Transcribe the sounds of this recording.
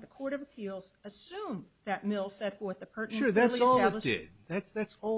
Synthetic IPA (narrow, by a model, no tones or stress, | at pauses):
ðɨkʰɔɹɾʌvpʰilˠz | ɨsʉ̃m | ðɨt̚mɪlˠsɛtfɔθ̚ðɨpʰɜ˞ʔʃñʊɹðætsɔlˠɨld̥ɪ̰d̥ðætsðætsɔ